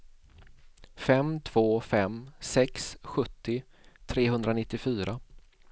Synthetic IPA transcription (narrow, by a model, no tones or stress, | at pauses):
fɛmt̪ʰv̥oːfɛmsɛksɧɵt̪ːɪ | t̪ʰɾeːɦɵnd̪ɾanɪt̪ːɪfyːɾʔa